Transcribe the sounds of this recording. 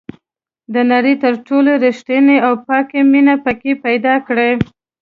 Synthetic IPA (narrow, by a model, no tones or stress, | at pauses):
d̪ənaɾit̪əɾʈoloɾiʃʈ̪ineawpɑkeminapəkepajd̪ɑkɽe